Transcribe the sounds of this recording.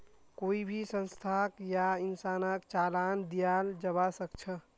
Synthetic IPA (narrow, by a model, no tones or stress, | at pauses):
koːibʱisə̃nst̪ʰakjaɪnsaːnakt͡ʃalaːnd̪ijald͡ʒəβasək̚t͡ʃʰə